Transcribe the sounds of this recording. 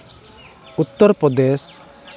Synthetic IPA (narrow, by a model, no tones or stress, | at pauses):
ut̪ːɔɾpɾɔd̪es